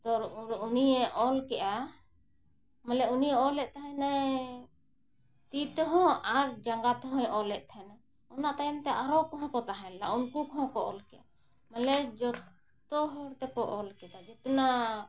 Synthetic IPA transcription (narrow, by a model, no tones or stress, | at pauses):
d̪ɔɾɾuniɛʔɔlkɛʔa | mɛlɛuniɛɔlɛt̪ʔ̚t̪aɦɛ̃na | t̪it̪ɔɦɔ̃aɾd͡ʒaŋɡat̪ɛɦɔ̃jʔɔlɛʔ̪̚t̪ʰɛna | ɔnaʔt̪ajɛmt̪ɛʔaɾɔkɔɦɔ̃kɔt̪aɦɛ̃launkukɔɦɔ̃kɔʔɔ̰lkɛʔa | mɛlɛd͡ʒɔt̪ | ɔɦɔɾt̪ɛkɔʔɔlkɛd̪ad͡ʒɛt̪ɛna